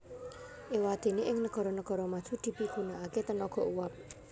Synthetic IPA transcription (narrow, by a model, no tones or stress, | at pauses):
ʔewad̪̥e̤neʔɪŋnəɡ̥ɔ̤ɾɔnəɡ̥ɔ̤ɾɔmḁd̪̥ṳd̪̥i̤piɡ̥unaaket̪ənɔɡ̥ɔ̤ʔuwap̚